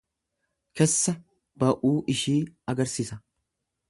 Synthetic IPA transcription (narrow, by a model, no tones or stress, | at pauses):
kɛsːɐ | bɐʔuːʔɪʃiːɐɡɐɾsɪːsɐ